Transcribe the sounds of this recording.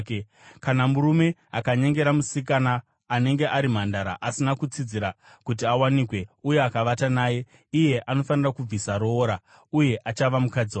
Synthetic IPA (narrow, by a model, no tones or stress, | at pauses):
k | kanamuɾume̞a̰kaɲe̞ŋɡe̞ɾamusikanaː | ne̞ŋɡe̞ʔaɾim̤andaɾa̰ʔasinakut͡sid͡ziɾa | kut̬iawanikwe̞uje̞akaʋatanaːje̞ | ije̞ʔano̞fanirakub͡visaɾoːɾa | uje̞ʔat͡ʃaʋamukad͡zia